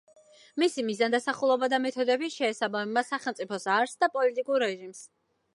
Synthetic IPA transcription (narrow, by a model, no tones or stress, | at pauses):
misimizand̪asaχulˠɔbad̪amɛt̪ʰɔd̪ɛbiʃɛːsabamɛbasaχɛlˠmt̪sʼipʰɔsaɾsd̪apʼɔlit̪ʼikʼuɾːɛʒims